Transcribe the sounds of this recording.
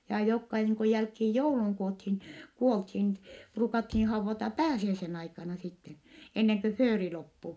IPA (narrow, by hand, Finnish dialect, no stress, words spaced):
jɑː jokːɑ niːŋ ku jælkhiːj jouluŋ kuothin kuolthin pruːkɑthiː hɑuʋːɑtɑ pæːsiæisen ɑikɑnɑ sitːen enːeŋ kø føːri lopːu